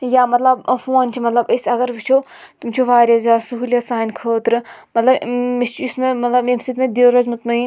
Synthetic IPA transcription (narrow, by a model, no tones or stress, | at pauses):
jaːmɐt̪lɐbfoːnt͡ʃʰimɐt̪lɐbɐsɐɡɐɾʋit͡ʃʰoː | t̪umt͡ʃʰoʋaːɾʲɐzaːsuɦulʲjasaːinkʰəːt̪ɾɨmɐt̪lɐbmist͡ʃʰismemɐt̪lɐbemsid̪mẽd̪eːɾɐzmɨt̪mɐiːn